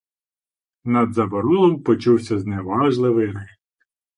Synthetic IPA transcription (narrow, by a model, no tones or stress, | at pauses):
nɐd̪zɐbɔɾulˠɔmpɔt͡ʃuwsʲɐzneʋɑʒlˠɪʋɪɾɪx